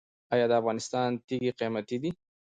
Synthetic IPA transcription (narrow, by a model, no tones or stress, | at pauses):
ɑjɑd̪əafɣɑnɪst̪ɑnt̪iɡiqijmat̪id̪i